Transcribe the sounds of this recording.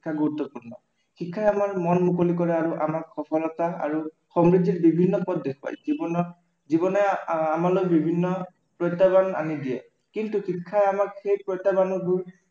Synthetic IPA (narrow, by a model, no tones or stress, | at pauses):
ikʰːaɡoɹut̪ːɔpuɹnɔ̰ | xikʰːaɛamaɹmɔnmukolikɔɹɛaɹuʔamakxɔpʰɔlɔtaa̰ɹu | xɔmɹiditbibʱinːɔpɔddexa̰jzibɔnɔ | zibɔnɔamalojbibʱinːɔ | pɹɔjtːabana̰nidijɛ̰ | kintuxikʰːajamakxejpɹɔjtːabanɔbuɹ